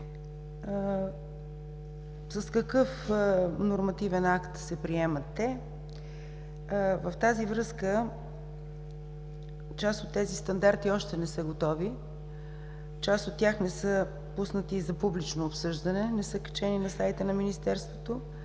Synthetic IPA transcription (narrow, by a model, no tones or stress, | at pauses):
səskəkɤfnoɾmɐt̪ivɛnakt̪sɛpɾiɛmət̪ːɛ | vəft̪azivɾɤskə | t͡ʃasot̪ːɛzist̪ɐnd̪aɾt̪iɔʃt̪ɛnɛsɤɡot̪ɔvi | t͡ʃast̪ot̪ːʲjaxnɛsə | pusnət̪izɐpublit͡ʃnoːpsɤʒd̪ɐnɛnɛsəkə̥t͡ʃɛninɐsajt̪ənɐminist̪ɛɾst̪vot̪o